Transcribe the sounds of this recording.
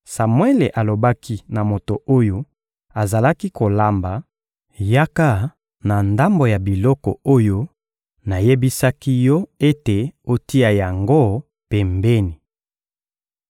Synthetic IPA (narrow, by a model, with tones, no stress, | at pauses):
sa˨mwɛ˦le˨ʔa˨lo˨ba˦kʰi˦na˨mo˨to˨ʔo˦jo˦ | a˨za˨la˦ki˦ko˨la˨mba˨ | ja˦ka˦ | na˨nda˦mbo˨ja˨bi˨lɔ˦kɔ̰˨o˦jo˦ | na˨je˦bi˦sa˦ki˦jɔ˦e˦te˨o˦ti˦a˨ja˨ŋɡo˦ | pɛ˨mbɛ˦ni˨